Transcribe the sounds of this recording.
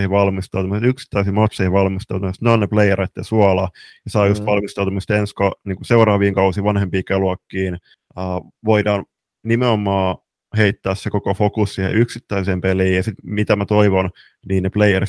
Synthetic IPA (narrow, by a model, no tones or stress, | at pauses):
hiʋɑlmist̪ɑut̪umset̪yksi̥t̪ːæisimot̪sehiʋɑlmist̪ɑut̪umest̪neonneplejeɾet̪ːesuɑlɑjɑsɑːjust̪ʋɑlmist̪ɑut̪umːst̪enskoniːkuseurɑːʋiːŋkɑusiʋɑnhempiːkeluɑkːiːn | əːʋoidɑːn | nimeomːˑɑː | heit̪ːæːssekokofokussiːhḛʔyksit̪ːæiseːmpeliːjɑsit̪mit̪æmæt̪oiʋon | niːnneplejer